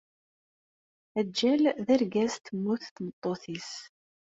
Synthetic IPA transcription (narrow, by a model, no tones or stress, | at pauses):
æd͡ʒːælðæɾɡæst̪əmːuθt̪nət̪ˤːoθis